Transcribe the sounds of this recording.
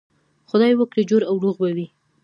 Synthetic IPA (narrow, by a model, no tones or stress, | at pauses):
xʊd̪ɑjwəkɽed͡ʒoɾawɾuɣbawi